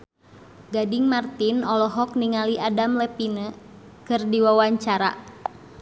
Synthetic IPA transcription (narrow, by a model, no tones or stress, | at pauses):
ɡadiŋmart̪inɔlɔɦɔk̚niŋaliʔadamlɛpinə | kɨrdiwawaɲt͡ʃaɾa̰